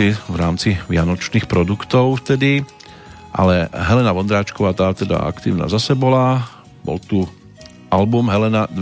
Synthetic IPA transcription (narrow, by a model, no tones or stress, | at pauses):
ivɾaːmt͡siʋɪanɔt͡ʃniːxpɾɔd̪ukt̪ɔʊft̪ɛd̪i | ʔa̰lɛɦɛlɛnaʋɔnd̪ɾaːt͡ʃkɔʋaːt̪aːt̪ɛd̪a̰a̰kt̪iːʊna̰ːzasɛbɔla | bɔ̰lt̪u | ʔalbumɦɛlɛnad̪